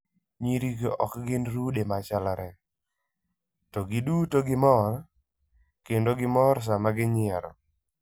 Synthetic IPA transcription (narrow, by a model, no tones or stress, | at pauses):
ɲiɾiɡɔ̰kɡɪnɾudemat͡ʃalaɾɛ | tɔɡɪdutoɡɪmɔr | kendoɡɪmɔɾs̬amaɡɪɲɪɛɾɔ̰